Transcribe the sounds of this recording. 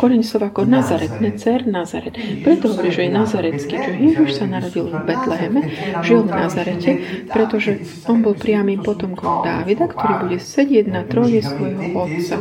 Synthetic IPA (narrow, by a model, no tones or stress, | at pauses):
kɔɾɛɲsɔʋakɔnazaɾɛt̪nɛt͡sɛɾnaza̰ɾɛt̪pɾɛt̪ɔɦɔʋɔɾiːʒɛjɛnazaɾɛt͡skit͡ʃɔjɛʒiʃsanaɾɔɟilvbɛt̪lɛɦɛmɛʒilvnazaɾɛcʰɛpɾɛt̪ɔʒɛ | ɔnbɔlpɾɪamiːmpɔt̪ɔmkɔmd̪aːʋid̪akt̪ʰɔɾiːbuɟɛsɛɟɪɛɟnat̪ɾɔjɛsʋɔjɦɔɔt̪t͡sa